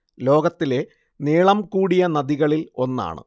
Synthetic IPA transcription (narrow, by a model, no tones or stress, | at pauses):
lo̞ːɡɐt̪ːile̞ | neːɭɐmkuːɽijɐnɐðiɣɐɭilo̞nːa̰ːɳɨ̰